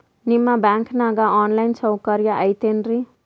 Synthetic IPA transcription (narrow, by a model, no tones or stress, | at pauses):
nimːabjaŋkʰnaɡaɔnlajnsʰʌwkʌɾjaʔajt̪enri